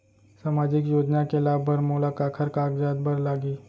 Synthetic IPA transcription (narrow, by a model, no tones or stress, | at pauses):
saːmaːd͡ʒɪkjoːd͡ʒnakelaːbbʱəɾmoːlakaːkʰəɾkaːkd͡ʒaːd̪̚bʱəɾlaːɡiː